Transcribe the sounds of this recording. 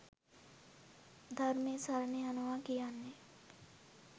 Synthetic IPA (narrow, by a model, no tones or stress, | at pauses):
d̪ʱəɾmẽsəɾneɐnoʋakijane